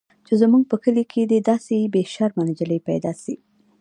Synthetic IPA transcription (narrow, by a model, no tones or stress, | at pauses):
t͡ʃezamuɡ̚pəkəlikʰed̪əd̪ɑsebeʃaɾmand͡ʒaləjpa̰jd̪ɑsi